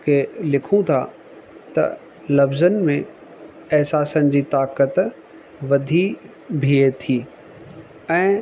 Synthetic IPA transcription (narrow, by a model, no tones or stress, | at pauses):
kʰelɪkʰũt̪ʰa | t̪ɐ̰ | lɐfzənɪ̆mẽ | ɛɦsaːsənɪd͡ʑiːt̪aːkət̪ | ʋɐd̪ʱi | bʱiet̪ʰiː | ɛ̃ː